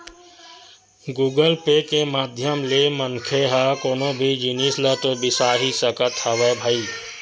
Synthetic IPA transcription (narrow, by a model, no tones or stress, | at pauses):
ɡuːɡəlpekemaːd̪ʱjəmleməŋkʰeɦəkoːnõbʱid͡ʒɪnislət̪obɪsaːɦisəkət̪həʋebʱəiː